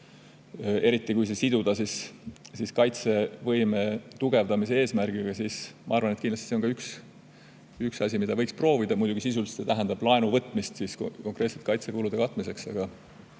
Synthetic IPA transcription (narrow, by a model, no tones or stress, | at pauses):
e̞ɾit̪ːˑikujs̬e̞sid̪ud̪̥ɑsissiskɑjt̪se̞vɤjme̞t̪uɡ̥e̞vd̪̥ɑmis̬e̞e̞ːsmærɡ̥iɡ̥ɑsiːsmɑ̰ɑɾrvɑnet̪kind̪lɑst̪i̥seokɑyks | yksɑsʲimid̪ɑvɤjkspro̞ːvid̪̥ɑmujd̪uɡisis̬ulst̪set̪æɦænd̪̥ɑb̥lɑe̞nuvɤt̪ːˑmist̪sisko̞ŋkɾe̞ːt̪se̞̥t̪̚kɑjt̪se̞kulud̪̥e̞kɑt̪ːˑmise̞ksɑ̰ɡ̥ɑ